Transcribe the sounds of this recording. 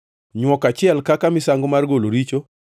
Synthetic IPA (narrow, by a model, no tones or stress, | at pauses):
ɲwɔkat͡ʃɪɛlkakamɪsaŋɡomarɡoloɾit͡ʃo